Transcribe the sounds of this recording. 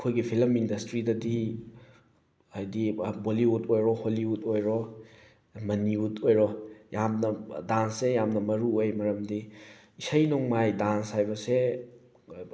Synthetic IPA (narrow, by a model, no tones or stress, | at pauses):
ɐkʰojɡipʰilɐmindɐstɾidɐdi | ajdiboliutʰojɾɔholiutojɾɔ | mɐniutʰojɾɔjamnɐdansːejamnɐmɐɾuojmɐɾɐmdi | isɐjnoŋmajdanshajbɐse